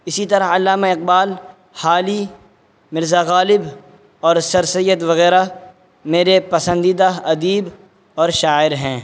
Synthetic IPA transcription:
ɪsit̪ɐɾəɦɐlːaːmaɪq̚baːl | haːli | mɪɾzaɣaːlɪb | ɔːɾsɐɾsəjət̪ʋɐɣɛːɾa | meːɾepɐsə̃nd̪iːd̪aɐd̪iːb | ɔːɾʃaːɪɾɦɛ̃ː

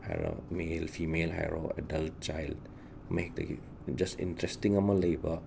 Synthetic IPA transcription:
ha̰jɾo̰melpʰimelɦa̰jɾoɛ̰dɐlt̚t͡ʃajld | mɐɦek̚dɐ̰ɡḭ | d͡ʒɐstḭntɾestiŋɐmɐlɐjbɐ

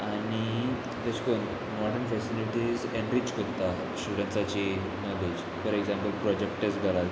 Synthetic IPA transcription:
añi | d̪əɕkon | mɔɖənfɛsiliʈizẽnɾit͡ɕkɔɾt̪a | sʈuɽeɳsat͡ɕi | nɔled͡ʑ | fɔɾeɡzãmpəlpɾɔd͡ʑek̚ʈʈesɡʱalat̪

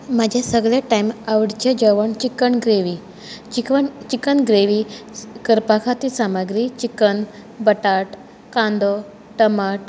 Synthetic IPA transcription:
mad͡ʑʱesəɡɭeʈajmaʋɽt͡ɕed͡ʑəʋəɳt͡ɕikəɳɡɾeʋi | it͡ɕikənɡɾeʋikəɾpakʰat̪isamaɡɾit͡ɕikən | bəʈaʈ | kãnd̪ɔ | ʈəmaʈ

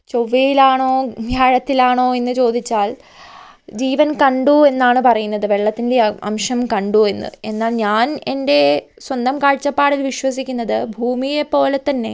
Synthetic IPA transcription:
t͡ɕo̞ʋːejilaːɳo̞ːɡʱjaːɻɐt̪ːilaːɳo̞ːe̞nːɨt͡ɕo̞ːd̪ʱit͡ɕːaːl | d͡ʑiːʋɐnkɐɳɖue̞nːaːɳɨpɐrɐjunːɐðɨʋeɭːɐt̪ːinde̞ɐ̰mʂɐmkɐɳɖue̞nːɨ̰e̞nːaːlɲaːne̞nde̞swɐnd̪ɐmkaːɻt͡ɕːɐpːaːɽilʋiɕwɐsikʲːunːɐðɨbʱuːmijepːo̞ːlet̪ːɐnːe̞̰

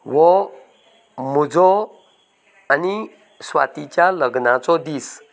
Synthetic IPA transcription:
ʋɔ | mud͡zɔ | ani | sʋa̰t̪it͡ɕjaləɡnat͡sɔd̪iːs

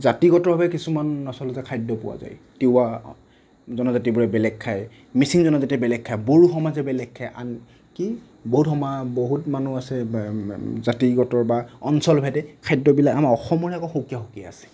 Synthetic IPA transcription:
zatiɡɔtɔɹbʱabɛkisumanːɔsɔlɔzɛkʰajdːɔpʊwa̰za̰jteʊa | zɔnɔzatibuɹɛbɛlɛkkʰːaj | misiŋzɔnɔzatiɛbɛlɛkʰːajboɹuxɔmazɛbɛlɛɡkʰːajʔa̰n | ki | boɦutɔmaboɦutmanuasɛ | zatiɡɔtɔɹbaɔnsɔlbʱɛtɛkʰajdɔbilakamaɔxɔmɔɹiakɔxokijaxokiaasɛ̥

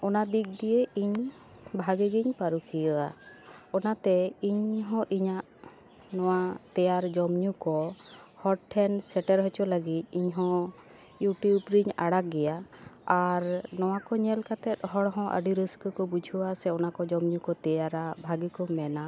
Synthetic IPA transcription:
ɔnad̪ik̚d̪ijeiɲ | bʱaɡiɡiɲpaɾukʰijɔaɔnat̪ɛiɲɦɔ̃ʔiɲaʔ | nɔwat̪ɛjaɾd͡ʒɔmɲukɔ | hɔʈʈʰɛnsɛʈɛɾɦɔt͡ʃɔləɡit̪̚ˀiɲɦɔ̃ | juʈiubɾiɲaɽak̚ɡɛjaaɾnɔwakɔɲɛlkat̪ɛt̪̚ɦɔɽɦɔ̃ʔə̰ɖiɾəskəkɔbud͡ʒʱuwasɛɔnakɔd͡ʒɔmɲukɔt̪ɛjaɾabʱaɡikɔmɛna

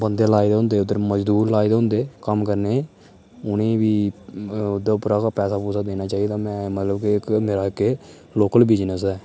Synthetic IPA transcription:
bənd̪eːlaːid̪eːɦʊ̃nd̪eːʊd̪əɾməd͡ʒd̪uːɾlaːiːd̪eɦʊ̃nd̪eːkəmkəɾneː | ʊnẽːʋiː | ʊd̪aːʊpɾaːkapɛːsaːpuːsaːd̪eːnaːt͡ʃaːid̪aːmɛ̃ːmət̪ləbkiɪkmeːɾaːkeː | loːkəlbid͡ʒnəsɛː

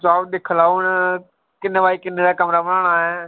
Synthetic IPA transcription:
d͡ʒaːbɗ̪eːkʰəlaʊn | kɪnʋaːikɪnəd̪akɐmɾaʋɐnəɽ̃aːɦɪ

